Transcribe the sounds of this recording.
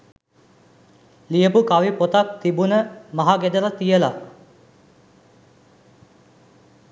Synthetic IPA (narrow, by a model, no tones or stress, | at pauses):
lijəpukaʋipot̪ak̚t̪ibunəmaɦaɡed̪əlat̪ijəla